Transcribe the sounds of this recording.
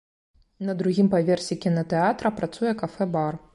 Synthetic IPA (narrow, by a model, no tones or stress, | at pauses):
nɐd̪ɾuɣʲimpavʲɛrsʲikʲinɐt̪ɛat̪ɾɐpɾat̪sujɛkafɛbar